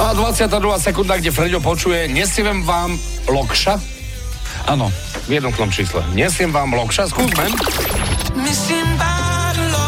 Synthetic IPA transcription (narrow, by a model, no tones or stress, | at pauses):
aːd̪ʋat͡sɪat̪aːd̪ɾuɦaːsɛkund̪aɡɟɛfɾɛɟɔp̬ɔt͡ʃujɛɲɛsiʋɛmʋaːm | lɔkʃa | a̰nɔ̰ | vjɛd̪nɔt̪nɔmt͡ʃiːslɛ̰ɲɛsɛmʋaːmlɔkʃaskuːpmɛm | misimva